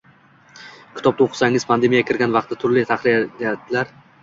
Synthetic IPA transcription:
kʲɪt̪ʰɒb̚d̪aoqʰɨ̥saŋɪzpʰand̪e̞mijakʲʰɪɾɡʲanvɑq̚t̪at̪ʰʊɾlɪt̪ʰaχlɪjd̪jad̪ɪlaɾ

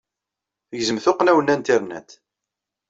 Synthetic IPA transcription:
θəʝzəmθʊqnæwənænt̪ɪɾnæ̰t̪

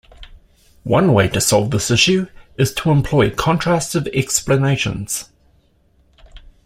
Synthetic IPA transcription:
wʌ̃nweɪɾəsɒlˠvðɪsɪʃʉɪz̥tʰəə̃mpʰl̥ɔɪkʰɒ̃ntʰɹ̥æstəvɛkspləneɪʃə̰̃nz̥

